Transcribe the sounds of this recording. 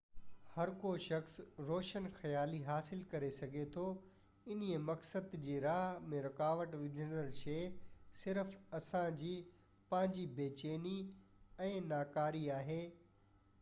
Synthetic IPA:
hɐɾkoʃɐxsɾoːʃənxɐjaːliɦaːsɪlkɐɾesɐɡʱet̪ʰo | ɪniemɐksəd̪d͡ʑeːɾaːɦmẽɾɐkaːʋəʈʋɪd̪ʱənəɾʃeːsɪɾfɐsãd͡ʑiː | pɐ̃ɦɪ̃ɲd͡ʑibeːt͡ɕeːniɛ̃ːnaːkaːɾiaːɦeː

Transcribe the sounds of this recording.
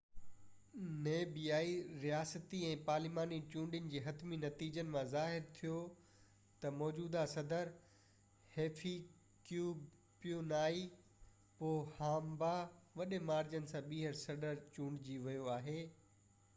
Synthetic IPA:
neːbiaːiɾijaːsət̪iɛ̃ːpaːɾlɪmaːnit͡ɕũːɳɖijənɪ̆d͡ʑeːɦɐt̪minɐt̪iːd͡ʑənɪ̆mãzaːɦɪɾt̪ʰijo | t̪ɐmɔːd͡ʑuːd̪asɐd̪əɾ | heːfʰi | kjuːb | pijonaːi | poːhaːmbaʋɐɗemaːɾd͡ʑənɪ̆sãɓiːɦəɾsɐɖəɾt͡ɕũːɳɖd͡ʑiʋɐjoaːɦeː

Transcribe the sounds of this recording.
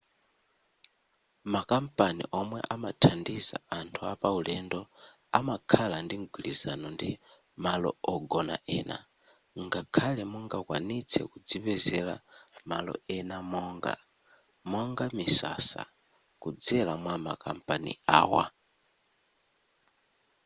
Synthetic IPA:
makam̩panḭʔɔmwɛ̰ʔamatʰandiza̰antʰuapaulɛndɔ | amakʰalandiŋɡilizanɔndi | malɔ̰ɔɡɔna̰ʔɛːna̰ | ŋɡakʰalɛmuŋɡakwa̰nit͡sʰɛ̰kud͡ziβɛzɛlamalɔ̰ɛnamɔŋɡa̰ | mɔŋɡamisa̰sa̰ | kud͡zɛlamwamakam̩pʼanḭa̰ːwa̰

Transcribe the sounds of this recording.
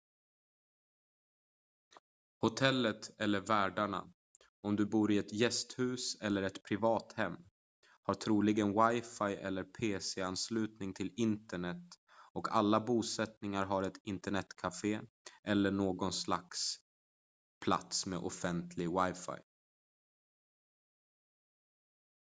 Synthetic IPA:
hʊt̪ʰɛlːət̪ɛlːəɾvæːɖaɳa̰ | ɔmd̪ɵbuːɾɪɛt̪jɛst̪hʉ̟ːsɛlːəɾɛt̪pʰɾɪvɑːt̪hɛmː | haʈ̪ʰɾuːlɪɡənwajfajʔɛ̰lːəɾpʰeːsɛanslʉ̟ːt̪nɪŋt̪ʰɪlɪnt̪əɳɛt̪ː | ɔkʰa̰lːabuːsɛt̪nɪŋaɾɦaɾɛt̪ɪnt̪əɳɛt̪kʰafeː | ʔɛlːəɳoːɡɔnsla̰ks | pʰla̰t̪smḛʔɔ̰fɛnt̪ʰlɪɡwajfa̰j

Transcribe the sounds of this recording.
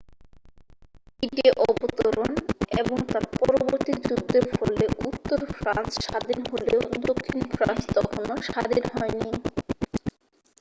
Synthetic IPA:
iʈiʔɔbot̪oɾoneboŋt̪aɾpɔɾooboɾt̪id͡ʑud̪ʱːefolːeʔut̪ːoɾfɾa̰nsʃad̪ʱinɦoleod̪okʰːinfʰɾa̰nst̪ɔkʰonoʃad̪ʱinhɔeni

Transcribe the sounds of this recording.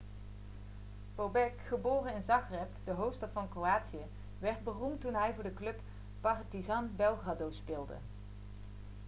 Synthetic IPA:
b̥obɛkχəboːrəɪnzɑχrɛpd̥əɦowftstɑtfɑnkroaːtsiə | ʋɛɹd̚bərumtːunɦɛjvʊːɹdəklɵp | pɑrtizɑnbɛlˠɣradowspɪːlˠdə̰

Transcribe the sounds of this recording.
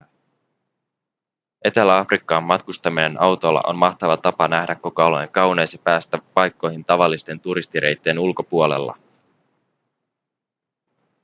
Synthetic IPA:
e̞t̪elæɑfrikːɑːmːɑt̪kust̪ɑmine̞nʔɑwt̪o̞lːɑ̰ʔo̞̰nmɑxt̪ɑʋɑt̪ɑpɑnæhdækːokooloŋkɑwnejsɑpæːst̪æpɑjkːo̞jɦint̪ɑʋɑlːist̪e̞nt̪uɾist̪iɾʔe̞̰jt̪ːe̞ːnulko̞puole̞̰lːɑ̰

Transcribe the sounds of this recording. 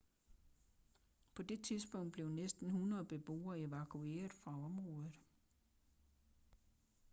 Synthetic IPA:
pʰɒ̽d̥e̝t͡sʰiðˠsb̥ɔ̽ŋ̰d̥̚b̥le̝ʊnesd̥n̩hunɐð̩ˠb̥e̝b̥o̝̰ːɐe̝ʋækʰue̝̰ːɐð̩ˠfʁɑ̈ɒ̽mʁɔ̽ːðˠð̩ˠ

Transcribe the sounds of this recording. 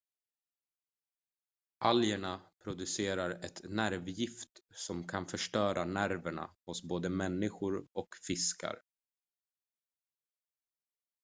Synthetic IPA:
ʔaljəɳapʰɾʊd̪ɵseːɾaɾɛt̪næɾvjɪft̪sɔmkʰanfœʂʈœːɾʔanæɾvəɳa̰hʊsboːd̪əmɛnːɪɧʊɾɔkfɪska̰ɾ

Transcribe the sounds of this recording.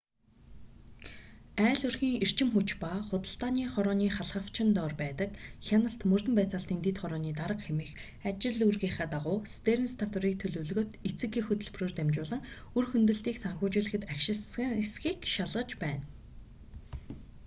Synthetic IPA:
æːɮɵrxiːŋer̥t͡ɕɪ̆mxut͡ɕpaχʊt̪ə̆ɬt̪aːniːχɔɾɔːniːχaɮχə̆w̥t͡ɕʰɪ̆nt̪ɔːrpæːt̪ə̆kxʲanə̆ɬt̪mɵrt̪ɵ̆mpæːt͡saːɬt̪iːnt̪et̪χɔɾɔːniːt̪aɾə̆qxemĭːx | at͡ɕɪ̆ɮurɣeːχaːt̪aʁʊːst̪eɾɘ̆nst̪ʰat̪ʊɾiːk̚t̪ʰɵɮɵ̆wɮɵ̆ɣɵ̆t̪it͡sɘ̆kːixɵt̪ɵ̆ɮproːrt̪æmt͡ɕʊːɮə̆ŋ | ɵrxɵnt̪ɵ̆ɬt̪iːksaŋxʊːt͡ɕʊːɮɘ̆xɘ̆t̪akʃɪ̆ssxiːkʃaɮʁə̆t͡ɕpæːn

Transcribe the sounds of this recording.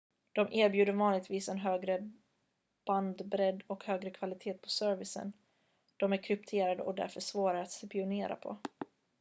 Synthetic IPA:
d̪̥ɔmʔeːɾbjʉːd̪əɾvɑːnlɪɡt̪viːsɛnɦøːɡɾə | b̥and̪bɾɛd̪ːɔkhøːɡɾəkʰvalɪt̪ʰeːt̪̚pʰɔsœɾvɪsə̰n | d̪̥ɔmæɾkʰɾʏpt̪ʰeːɾad̪ə̰ʔɔd̪æ̰ɾfœʂvoːɾaɾat̪sɛpɪʊneːɾa̰pʰɔ̰

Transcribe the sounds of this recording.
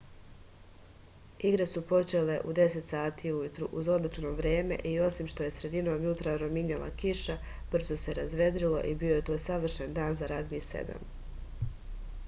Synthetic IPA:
iɡɾe̞supo̞t͡ʃe̞le̞ʔud̪e̞se̞t̪saːt̪iːujut̪ɾuʔuzo̞d̪lit͡ʃno̞ʋɾje̞ːme̞̰ʔio̞simʃt̪o̞je̞sɾe̞d̪ino̞ːmjut̪ɾaɾo̞miɲelˠa̰kiʃa | b̥r̩zo̞se̞ɾazʋe̞d̪ɾilo̞̰ʔibio̞je̞t̪o̞ːjsaʋr̩ʃend̪aːnzaɾad̪miːsḛd̪a̰m

